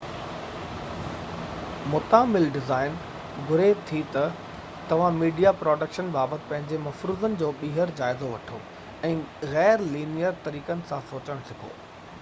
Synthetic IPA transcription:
mʊt̪aːmɪlɖɪzaːɪn | ɡʊɾeːt̪ʰit̪ɐ | t̪ɐʋ̤ãmiːɖijapɾɔːɖəkʃənbaːbət̪ɪ̥̆pɐ̃ɦɪ̃ɲd͡ʑemɐfɾuːzənɪ̆d͡ʑoːɓiːɦəɾd͡ʑaːɪzoʋɐʈʰo̰ | ɛ̃ːɣɛːɾliːnijəɾt̪ɐɾiːkənɪ̆sãsoːt͡ɕəɽ̃sɪkʰo̰ː

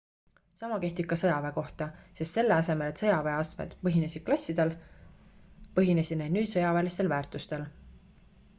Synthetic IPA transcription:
sɑmɑke̞ht̪ikːˑɑsɤjɑve̞ko̞ht̪ɑse̞st̪se̞lːe̞ɑse̞me̞le̞t̪sɤjɑve̞ɑsmḛd̪̥pɤɦine̞sʲid̥̪̚klɑsʲːid̪̥el | pɤɦine̞sʲid̪ne̥nyːd̪̥sɤjɑvelist̪e̞lvæːrt̪ˑust̪e̞l

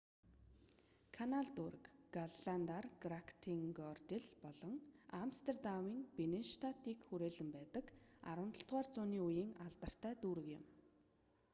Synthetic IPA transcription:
kʰanaɮt̪uɾə̆kɡaɮɮant̪arɡrakʰt̪ʰiŋɡɔrt̪eɮpɔɮɞ̆ŋamst̪ʰert̪amiːŋpenenʃt̪ʰat̪iːkxuɾeːɮɘ̆mpæːt̪ə̆ka̰ɾwə̆nt̪ə̆ɬt̪ʁaːrt͡sʊːniːujiːŋaɮt̪ə̆r̥t̪ʰæːt̪uːɾɘ̆kjɪ̰̆m

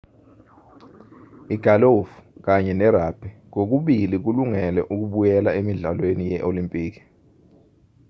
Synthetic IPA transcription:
iɡ̥ʱalofu̥k̬aɲɛnɛɾab̥ʱɛk̬ok̬uɓilik̬uluŋɛlɛʔuk̬uɓujɛlaemiɮalwenijɛʔolimpʼiːk̬i̥

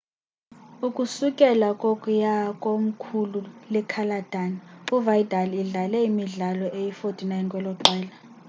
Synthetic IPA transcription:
ukʼusukʼɛlakʼokʼujakʼom̩kʰululɛkʰalad̥ʱanuvaidʱaliɮalɛimiɮalɔʔejifotʰʼinajnkʼwɛlɔǃɛːla

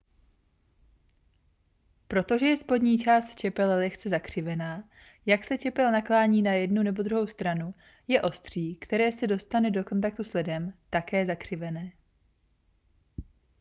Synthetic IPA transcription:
pɾo̞t̪o̞ʒɛjɛspo̞dɲiːt͡ʃaːst̪t͡ʃɛpɛlɛlɛxt͡sɛzakr̝̥ɪvɛnaː | jaksɛt͡ʃɛpɛlnaklaːɲiːnajɛdnunɛbo̞d̪ɾuɦo̞wst̪ɾanu | jɛʔo̞st̪r̝̥iːkt̪ɛɾɛːsɛdo̞st̪anɛdo̞ko̞nt̪ak̚t̪uslɪdɛmt̪akɛːzakr̝̥ɪvɛnɛː

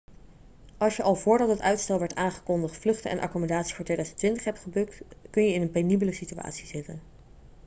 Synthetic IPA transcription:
ʔɑlˠʃjəʔɑlˠvʊːɹdɑtɦətœɥtstɛlˠʋɛɹtaːnχə̥kɔndəχtflɵχtəɛ̰nʔɑ̰komədaːtsi̥fʊːɹtʋejdœɥzəntʋɪntəχɦɛp̚tχəbɵk̚tkɵnjəɪnənpenibələsitya̰ːtsizɪtən

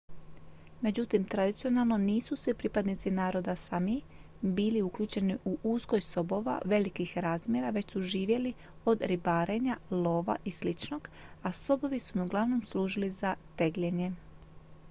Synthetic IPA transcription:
me̞d͡ʑut̪imt̪ɾad̪it̪sijo̞nalˠno̞niːsusʋipɾipad̪nit̪sinaːɾo̞d̪asami | biːliukʎuːt͡ʃe̞niʔuʔuzɡo̞jso̞bo̞ʋa̰ʋe̞likixɾaːzmje̞ɾaʋe̞t͡ɕsuʒiːʋje̞li | o̞d̪ɾibaːɾe̞ɲalo̞ːʋa̰ʔislit͡ʃno̞ɡ̥aso̞bo̞ʋisumiuɡlˠaʋno̞msluːʒilizat̪e̞ɡʎe̞ɲe̞

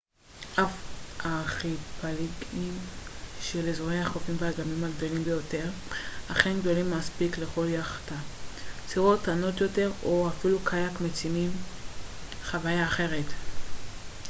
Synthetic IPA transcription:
ʔafaχipaliɡimʃelezoʁejaχofimveaɡamimaɡdo̞limbejo̞te̞ʁ | aχe̞nɡdo̞limːaspikle̞χo̞ljaχḁtat͡siʁotano̞tjo̞te̞ʁoafilukʰajakmet͡simim | χavajaːχe̞ʁe̞t

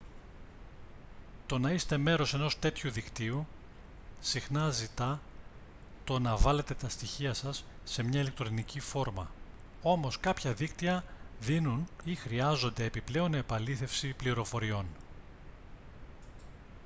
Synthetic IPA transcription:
t̪o̞nɐist̪e̞me̞ɾo̞se̞no̞st̪e̞t̪çuðikt̪iu | sixnɐzit̪ɐ | t̪o̞nɐvɐle̞t̪e̞t̪ɐst̪içiɐsɐsː | e̞mɲɐile̞k̚t̪ɾo̞nicifo̞ɾmɐ̰ | o̞mo̞skɐpçɐðikt̪iɐðinunixɾiɐzo̞nd̪e̞ːpiple̞o̞nepɐliθe̞fsipliɾo̞fo̞ɾio̞n

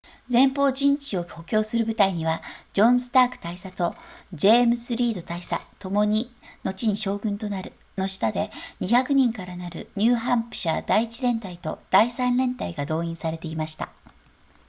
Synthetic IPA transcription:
d͡zẽ̞mpo̞ːʑĩɲt͡ɕio̞o̞kʲo̞ːsɨɾɯ̟bɯ̟t̪aiɲ̟iβad͡ʑõ̞ɰ̃sɨ̥t̪aːkɯ̟̥t̪aisat̪o̞d͡ʑe̞ːmɯ̟sɨɾʲiːd̪o̞t̪aisa̰t̪o̞mo̞ɲ̟ino̞t͡ɕiɲ̟iɕo̞ːɡɯ̟̃nt̪o̞naɾɯ̟ | no̞ɕi̥t̪ad̪e̞ɲ̟içakɯ̟ɲ̟ĩŋkaɾanaɾɯ̟̰ɲ̟ɨːɦãmpɯ̟̥ɕa̰d̪̥aiit͡ɕiɾẽ̞nt̪ait̪o̞̰d̪̥aisãnɾẽ̞nt̪aiɡad̪o̞ːĩɰ̃saɾe̞t̪e̞imaɕi̥t̪a̰

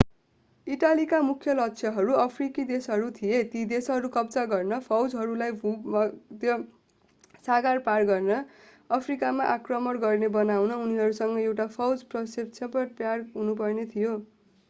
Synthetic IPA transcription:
iʈalikamukʰjʌlʌksʰjʌɦʌɾuʌpʰrikid̪esɦʌɾut̪ʰijet̪id̪esɦʌɾukʌbd͡zaɡʌrnʌpʰʌwd͡zɦʌɾulajbumʌd̪jʌ | saɡarparɡʌrnʌ | ʌpʰrikamaʔakrʌmʌɽɡʌrnebʌnawnʌuniɦʌɾusʌŋɡʌewʈapʰʌwd͡zprʌsep̚t͡sʰʌpʌʈpjarɦunup̬ʌrnet̪ʰijo

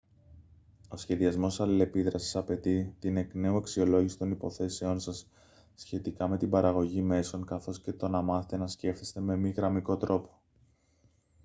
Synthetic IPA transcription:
o̞sçe̞ðiɐzmo̞sɐlile̞piðɾɐsi̥sɐpe̞t̪it̪ine̞kne̞ue̞ksio̞lo̞ʝisi̥t̪o̞nipo̞̰θe̞seo̞nsɐsː | çe̞t̪ikɐme̞t̪ibɐɾɐɣo̞ʝime̞so̞ŋkɐθo̞sce̞t̪o̞nɐmɐθet̪e̞nɐsce̞ft̪est̪e̞me̞miɣɾɐmiko̞t̪ɾo̞po̞̥

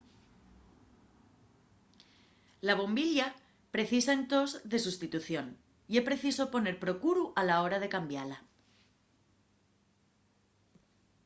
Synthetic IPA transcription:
laβ̞o̞mbiʎa | pɾe̞θisaent̪o̞zðe̞s̬ust̪it̪uθjo̞n | iespɾe̞θiso̞po̞ne̞ɾpɾo̞kuɾuʔalao̞ɾað̞e̞kambjala

